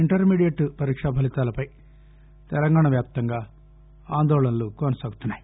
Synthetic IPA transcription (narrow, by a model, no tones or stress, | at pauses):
iɳʈɐɾmiːɽijeʈpɐɾiːkʂaːbʱɐlit̪aːlɐpɐj | t̪ɛlɐŋɡaːɳɐʋjaːp̚t̪ɐŋɡaː | aːnd̪ɔːlɐnɐlukɔnɐsaːɡut̪unːaːji